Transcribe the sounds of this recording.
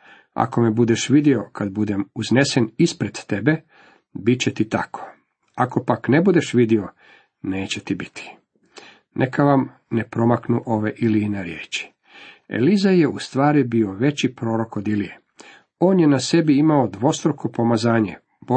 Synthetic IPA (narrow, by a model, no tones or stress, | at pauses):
a̰ko̞mebud̪eʃʋid̪io̞kad̪bud̪e̞muzne̞senispɾed̪̥t̪e̞be̞ | bitt͡ɕet̪it̪akʰo̥ | ako̞pakne̞bud̪e̞ʃʋid̪io̞ | ne̞ːt͡ɕet̪ibit̪ʰi̥ | nʔekaʋam | ne̞pɾo̞maknuʔo̞ʋe̞ʔiliːneɾjḛːt͡ɕi̥ | ḛlizajeust̪ʋaːɾibio̞ʋe̞t͡ɕipɾo̞ːɾo̞kod̪ilie | o̞ːnjenase̞biimaod̪ʋo̞st̪ɾoko̞pomazaːɲe̞̰ | bo